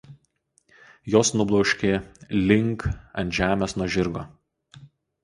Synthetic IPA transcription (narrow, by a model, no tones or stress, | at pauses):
joːsnʊblˠɔʊʃʲkʲeːlʲɪŋˑkɐ̰nʲt̪ʒʲæːmʲeːsnuɔʒʲɪɾɡoː